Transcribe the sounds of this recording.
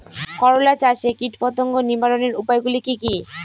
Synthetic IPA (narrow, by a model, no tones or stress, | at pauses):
kɔɾolat͡ɕaʃekiʈpɔt̪oŋɡoniɾbaɾoneɾupajɡulikiki